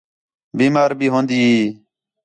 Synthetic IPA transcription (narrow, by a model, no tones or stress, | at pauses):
biːmaːɾbʱiːɦõːnd̪iːiː